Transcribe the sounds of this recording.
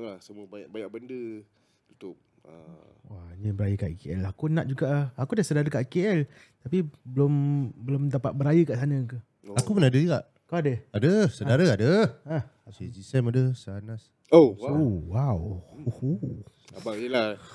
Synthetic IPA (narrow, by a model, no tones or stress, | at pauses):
lasəmuəbajaʔbajaʔ̚bəndə | ut̪ʊp̚ | ə̰ | wanəbəɾajəkaʔikeɛlaakunãʔ̚d͡ʒuɡaʔakudasədaɾəkaʔikeɛl | t̪apibəlombəlʊmdapat̪̚bəɾajəkaʔsanə̃kə | akupənadəd͡ʒuɡaʔ | kaadəadəsədaɾəadəa | sed͡ʒisɛmadəsanas | oowawoho | abajəla